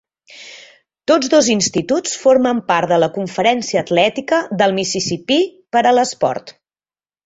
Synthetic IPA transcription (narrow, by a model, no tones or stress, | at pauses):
t̪od͡zðozinst̪it̪ut͡sfoɾməmpaɾt̪ðələkuɱfəɾɛnsiəːt̪lɛt̪ikəðəlˠmisisipipəɾələspɔ̰ɾt̪